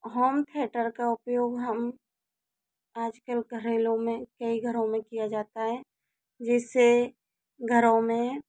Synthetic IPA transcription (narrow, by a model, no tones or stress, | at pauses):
ɦɔːmt̪ʰeːʈəɾkaʊpjoːɡɦəm | aːd͡ʒkəlɡəɾeːlõmẽkəiɡʱəɾõmẽkijad͡ʒaːt̪aɦɛː | d͡ʒɛːse | ɡʱəɾõmẽ